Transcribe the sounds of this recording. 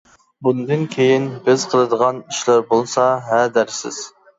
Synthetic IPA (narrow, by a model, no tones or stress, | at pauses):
bund̪ɨnkʲʰejɪnbɪz̥qʰəlˠɨd̪əʁɑniʃlæɾbolˠsɑɦæd̪æɾsɪ̰z̥